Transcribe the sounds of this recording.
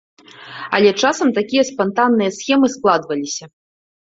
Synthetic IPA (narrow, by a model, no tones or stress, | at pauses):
ɐ̰lʲɛt͡ʂasɐmt̪akʲijɐspant̪anːɨjɐsxʲɛmɨsklˠad̪vɐlʲisʲɐ